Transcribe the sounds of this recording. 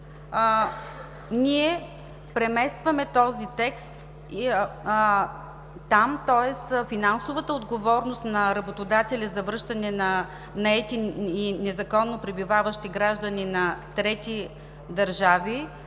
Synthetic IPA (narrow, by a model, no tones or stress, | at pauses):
niɛ | pɾɛmɛst̪vɐmɛt̪ɔzit̪ɛkst̪ | t̪amt̪ɔɛsfinansovət̪əod̪ɡovɔɾnost̪nɐɾɐbot̪od̪at̪ɛlʲɐzɐvɾɤʃt̪ɐnɛnɐ | nɐɛt̪ininɛzɐkɔnːopɾibivavəʃt̪iɡɾaʒd̪əninɐt̪ɾɛt̪i | d̪ɐɾʒavi